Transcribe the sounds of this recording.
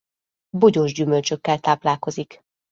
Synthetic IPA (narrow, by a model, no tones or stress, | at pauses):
boɟoːʒɟymølt͡ʃøkːɛlt̪aːplaːlko̞zik